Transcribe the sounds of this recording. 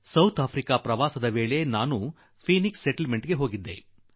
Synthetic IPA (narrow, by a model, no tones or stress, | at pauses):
sɐwt̪ʰaːpʰɾikapɾɐʋaːsɐd̪ɐʋeːɭe̞naːnu | pʰiːniksːeʈlmeɳʈɡe̞ɦo̞ːɡid̪ːe̞̰